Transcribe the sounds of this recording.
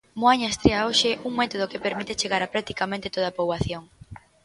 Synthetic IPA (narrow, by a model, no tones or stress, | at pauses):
moaɲast̪ɾeaoʃeʔuŋmɛt̪oð̞okepeɾmit̪et͡ʃeɣaɾapɾak̚t̪i̥kamẽnt̪et̪oðapowaθjoŋ